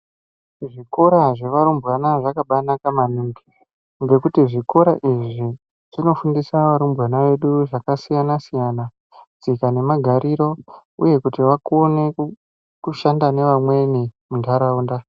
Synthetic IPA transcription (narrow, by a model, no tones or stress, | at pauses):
ʐiko̞ɾaʐe̞ʋaɾumbɣanaʐakaɓanakamanuŋɡi | ŋɡe̞kutiʐiko̞ɾaʔiʐi | ʐ̥ino̞fundisaʋaɾumbɣanaʋe̞ɗuʐakasijanasijana | d͡zikane̞maɡʱaɾiɾo̞uje̞kutiʋakone̞ | kuʃandane̞ʋamwe̞nimundʱaɾaunda